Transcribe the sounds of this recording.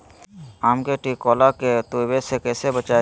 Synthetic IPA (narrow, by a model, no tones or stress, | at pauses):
aːmkeʈiːkɔːlaket̪uːbesekɛːsebət͡ʃaː